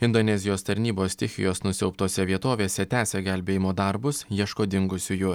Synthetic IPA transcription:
ɪnd̪onʲɛzʲɪjoːst̪ɐɾʲnʲiːboːst̪ʲɪxʲɪ̰joːsnʊsʲɛ̰ʊp̚t̪oːsʲɛʋʲiɛt̪oːʋʲeːsʲɛt̪ʲæːsʲɛɡʲælʲbʲeːjɪmoːd̪ɐɾbʊsjiɛʃkoːd̪ʲɪŋɡʊsʲʊjʊ

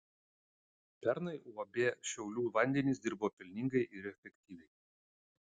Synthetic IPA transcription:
pʲɛɾnɐɪuɔbʲeːʃʲɛʊlʲuːʋɐnʲd̪ʲɛnʲɪsd̪ʲɪɾboːpʲɪlʲnʲɪŋɡɐɪʔɪɾɛfʲɛkʲt̪ʲiːʋʲɛɪ

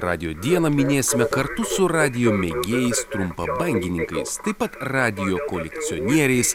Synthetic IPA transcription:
ɾɑ̰ːd̪ʲɪjoːd̪ʲiɛnɐmʲɪnʲeːsʲɪmʲɛkɐɾt̪ʊsʊɾɑːd̪ʲɪjoːmʲɛɡʲeːjɛɪst̪ɾʊmpɐbɐŋʲɡʲɪnʲɪŋkɐɪst̪ɐɪpɐt̪ɾɑːd̪ʲɪjoːkoːlʲɛkt̪sʲɪoːnʲiɛɾʲɛɪs

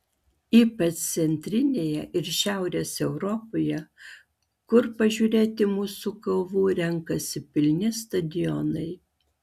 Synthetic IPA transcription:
iːpɐt͡ʃ̪sʲɛnʲt̪ʲɾʲɪnʲeːjɛʔɪɾʃʲæˑʊɾʲeːsɛʊɾɔpoːjɛ | kʊɾpɐʒʲuːɾʲeːt̪ʲɪmuːsukɐlˠʋuːɾʲɛŋkɐsʲɪpʲɪlʲnʲɪst̪ɐd̪ʲɪjɔnɐɪ

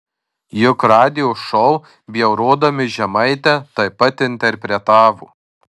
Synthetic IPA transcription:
jʊkɾɑːd̪ʲɪjoːʃɔʊ | bʲɪjɛʊɾuːd̪oːmʲɪʒʲɛmɐɪt̪ʲɛt̪ɐɪpɐt̪ɪnʲt̪ʲɛɾʲpʲɾʲɛt̪ɑːʋṵː

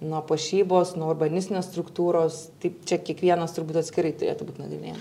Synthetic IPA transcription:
nuɔpɐʃʲiːboːsnuɔʊrbɐnʲɪsʲt̪ʲɪnʲeːsst̪ɾʊkt̪uːɾoːst̪ɐɪpt͡ʃʲɛkʲiɛkʋʲiɛnɐst̪ʊrbuːt̪ɐt̪ʲsʲkʲɪɾɐɪt̪ʊɾʲḛːt̪ʊbuːt̪ʲnɐɡɾʲɪnʲeːjm

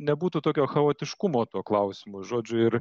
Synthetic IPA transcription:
nʲɛbuːt̪uːt̪oːkʲoːxɐoːt̪ʲɪʃkʊmoːt̪uɔklˠɐʊsʲɪmʊʒoːd͡ʒʲʊɪɾ

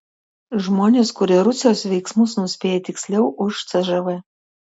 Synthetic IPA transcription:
ʒmoːnʲeːskʊɾʲɪɾʊsʲɪjoːsʋʲɛɪksmʊsnʊsʲpʲeːjɛt̪ʲɪksʲlʲɛʊʔʊʃt̪sʲɛʒɐʋɛ

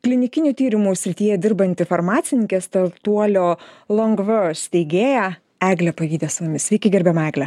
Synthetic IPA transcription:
klʲɪnʲɪkʲɪnʲut̪ʲiːɾʲɪmusʲɾʲɪt̪ʲiːjɛd̪ʲɪɾbɐnʲt̪ʲɪfɐɾmɑːt̪sʲɪnʲɪŋkʲeːst̪ɐt̪uɔlʲoːlˠɐŋɡʋosʲt̪ʲɛɪɡʲeːjɛ | æːɡlʲɛpɐjʲiːd̪ʲeːsʊmʊmʲɪsʲʋʲɛɪkʲɪɡʲɛɾʲbʲɛmɐɛːɡlʲɛ

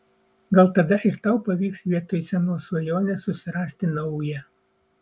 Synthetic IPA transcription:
ɡɐlˠt̪ɐd̪ɐʔɪɾt̪ɐʊpɐʋʲiːksʋʲiɛt̪oːjsʲɛnoːsʋɐjoːnʲɛsʊsʲɪɾɑːsʲt̪ʲɪnɐʊjɛ

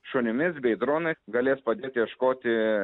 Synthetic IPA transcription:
ʃoːnʲɪmʲɪsbʲɛɪd̪ɾoːnɐɪsɡɐlʲeːspɐd̪ʲeːt̪ʲjɛʃkoːt̪ʲɪ

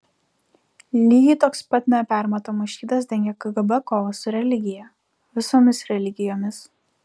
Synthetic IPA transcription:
lʲiːɡʲɪt̪oːkspɐt̪ʲnʲɛpʲæˑɾmɐt̪oːmɐʃʲiːd̪ɐs̬d̪ʲɛŋʲɡʲɛkɐɡɐbɐkoːʋɐsʊɾʲɛlʲɪɡʲɪjɛ | ʋʲɪsoːmʲɪsɾʲɛlʲɪɡʲɪjoːmʲɪs

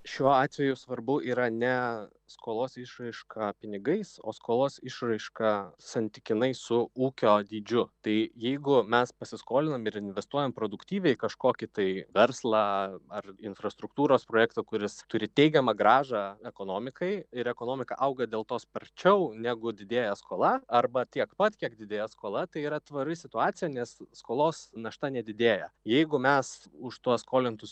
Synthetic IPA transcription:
ʃʲuɔɑːt̪ʲʋʲɛjʊsʋɐɾbʊiːɾɐnʲɛ | skoːlˠoːsɪʃrɐɪʃkʰɐpʲɪnʲɪɡɐɪso̰ːskoːlˠoːsɪʃrɐɪʃkɐsɐnʲt̪ʲɪkʲɪnɐɪsʊuːkʲoːd̪ʲiːd͡ʒʲʊt̪ɐɪjɛɪɡʊmʲɛspɐsʲɪskoːlʲɪnɐmɪɾɪnʲʋʲɛst̪uɔjɛmpɾoːd̪ʊkt̪ʲiːʋʲɛɪkɐʃkoːkʲɪt̪ɐɪʋʲɛɾslˠɑɐrɪnfɾɐst̪ɾʊkt̪uːɾoːspɾoːjæːkt̪ɐkʊɾʲɪst̪ʊɾʲɪt̪ʲɛɪɡʲɛmɐɡɾɑːʒɑɛkoːnoːmʲɪkɐɪɪɾɛkoːnoːmʲɪkɐ̰ʔɐʊɡɐd̪ʲeːlˠt̪oːspɐɾʲt͡ʃʲɛʊnʲæɡʊd̪ʲɪd̪ʲeːjɛskoːlˠɐɐrbɐt̪ʲiɛkpɐt̪kʲiɛkd̪ʲɪd̪ʲeːjɛskoːlˠɐt̪ɐɪiːɾɐt̪ʋɐɾɪsʲɪt̪ʊɑːt̪sʲɪjɛnʲɛsskoːlˠoːsnɐʃt̪ɐnʲɛd̪ʲɪd̪ʲeːjɛjɛɪɡʊmʲɛsʊʃt̪uɔsskoːlʲɪnt̪ʊs

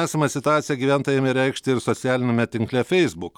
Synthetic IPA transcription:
æːsɐmʲɐsʲɪt̪ʊɑːt̪sʲɪjɛɡʲiːʋʲænt̪oːjɛmʲɪɾɛɪkʃʲt̪ʲɪɪɾsɔsʲæːlʲɪnʲemʲɛt̪ʲɪŋklʲɛfʲɛɪzbʊk

